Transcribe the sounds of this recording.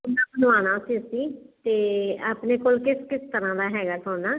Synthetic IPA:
ʊnd̪aːbənʋaːnaːsiːsiːt̪eːaːpneːkoːlkɪskɪst̪əɾãːd̪aːɦɛːɡaːsoːnaː

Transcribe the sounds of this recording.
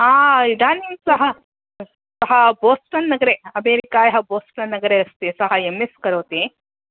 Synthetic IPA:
aːid̪aːnisɐɦɐ | sɐɦɐboːsʈɐnːɐɡɐɾeɐmeːɾikaːjɐɦɐboːsʈɐnːɐɡɐɾeɐst̪esɐɦɐemːeskɐɾoːt̪e

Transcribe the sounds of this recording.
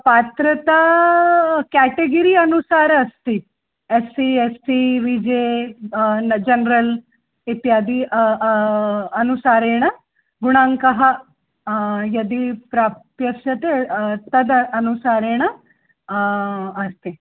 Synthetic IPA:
paːt̪ɾət̪a | kæʈeɡəɾiɐnusaːɾɐst̪i | esiesiʋid͡ʒe | d͡ʒɐnɾəl | it̪jaːd̪i | ɐnusaːɾeɽ̃ə | ɡuɽ̃ãŋkɐɦɐ | jɐd̪ipɾapjɐkʂɐt̪et̪ɐd̪ɐnusaːɾeɽ̃ə | ɐst̪e

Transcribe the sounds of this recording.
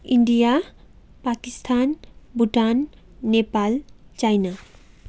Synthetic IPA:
iɳɖija | pakist̪ʰanbuʈanː | epalt͡ɕajna

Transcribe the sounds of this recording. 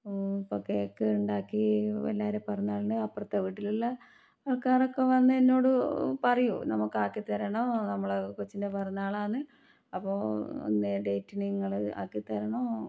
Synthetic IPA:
opokːejkːeuɳɖaːkːiʋɐ̰lːaːɾepɐrɐɲːaːɭɐnɖɨɐpːrɐt̪ːɐʋiːʈːililːɐ | ʋɐɭkaːrokːeʋɐnːɨenːo̞ːɽɨpɐrɐjṵnɐmukːaːkːit̪ːɐɾɐɳoːnɐmːɐɭkot͡ɕːindepɐrɐɲːaːɭaːnɨ | ɐpːoːo̰nːeɖe̞jtːiniŋːɐɭa̰ːkːit̪ːɐɾɐɳoː

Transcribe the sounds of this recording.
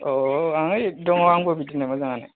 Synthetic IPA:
oaŋdɔŋɔwaŋobitːinemazaŋanḛ

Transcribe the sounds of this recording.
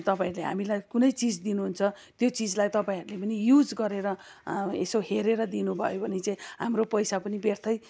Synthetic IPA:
t̪ʌpãĩʌɾuleɦa̰milajkunʌjt͡sid͡zd̪inuɦunt͡sʰʌ | t̪jot͡sid͡zlajt̪ʌpãĩɦʌɾulepʌnijud͡zɡʌɾeɾʌ | ḛsoɦeɾeɾʌd̪inubʱʌ̰jobʱʌnet͡saĩɦamropʌjsapʌnibert̪ʰʌj

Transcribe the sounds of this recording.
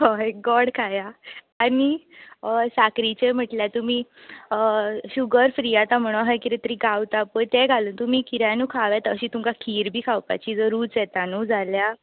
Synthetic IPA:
ɦoɡɔɽkʰaja | ani | sakɾit͡ɕem̤əʈljat̪umiː | ɕuɡəɾfɾijat̪ãm̤əɽ̃oɦajkiɾet̪əɾĩɡawt̪apəɳt̪eɡʱaləːnt̪um̤iːkiɾanuːkʰaʋjat̪əɕiːt̪umkakʰiːɾbʱiːkʰawpa̰t͡ɕiːd͡zəɾuːt͡sjɛt̪anud͡zʱalja

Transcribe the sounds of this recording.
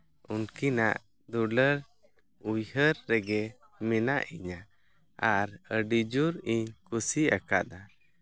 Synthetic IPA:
unkinaʔ | d̪uɖəɾ | ujhəɾːɛɡɛ | mɛnaʔiɲa | aɾəɖid͡ʒuɾiɲkusiakad̪a

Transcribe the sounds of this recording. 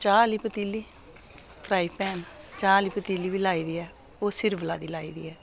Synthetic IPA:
t͡ʃaːliːpət̪iːlːiː | pʰɾaːiːpɛːnt͡ʃaːliːpət̪iːliːʋiːlaːiːd̪iːɛː | oːsɪɾblaːd̪iːlaːḭːd̪ḭːɛː

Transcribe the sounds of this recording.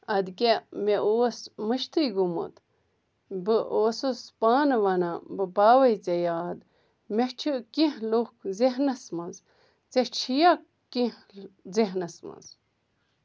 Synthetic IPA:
ɐd̪kemeʔosməʃt̪ɨjɡumṵt̪ | bɨʔoːsuspaːnʋɐnabɨbaːʋɐjt͡sejaːd̪ | meht͡ʃʰɨkĩhluhkzeɦnɐsmɐnz | t͡set͡ʃʰijak | kĩhzeɦnɐsmɐ̰nz

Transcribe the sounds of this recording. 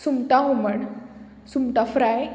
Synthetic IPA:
sumt̪aɦuməɳ | sumt̪afɾaj

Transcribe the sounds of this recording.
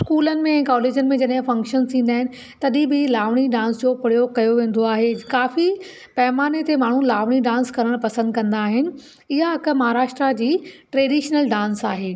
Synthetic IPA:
skuːlənɪ̆mẽɛ̃ːkaːleːd͡ʑənɪ̆mẽd͡ʑɐɗɦɪ̃fɐ̃ŋkʃənt̪ʰĩːn̆d̪aːɦɪnɪ̆ | t̪ɐɗĩbʱɪlaːʋɽ̃iɖãːnsd͡ʑoːpɐɽijokɐjoʋẽːn̆d̪oaːɦekaːfi | pɐɦɪmaːnet̪emaːɳ̤ũlaːʋɽ̃iɖãːnskɐɾəɽ̃pɐsə̃nd̪kɐ̃nd̪aːɦɪnɪ̆ | ɪɦaɦɐkə̆mɐɦaːɾaːʃʈɾad͡ʑiːʈɾeːɖiːʃnəlɖãːnsaːɦeː

